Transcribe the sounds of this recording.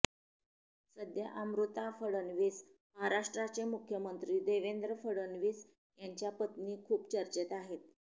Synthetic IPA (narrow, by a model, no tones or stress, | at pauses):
səd̪jəʔamɾut̪afəɽənʋiːs | məɦaɾaʂʈɾat͡semukʰjəmənt̪ɾiːd̪eʋend̪ɾəfəɽənʋiːs | jaɲt͡ɕjapət̪niːkʰuːpt͡ɕəɾt͡ɕet̪aɦet̪̚